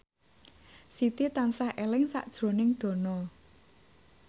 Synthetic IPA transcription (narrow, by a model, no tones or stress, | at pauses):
sit̪it̪ansahʔelɪŋsa̰ʔd̥ʒ̥ɾo̤nɪŋɖ̪̥o̤nɔ